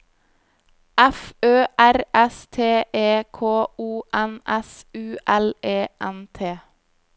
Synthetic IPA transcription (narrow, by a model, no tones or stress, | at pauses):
ʔɛføːʔæɾʔɛst̪ʰeːʔeːkʰoːuːʔænʔɛsʉːʔɛleːʔɛnt̪ʰeː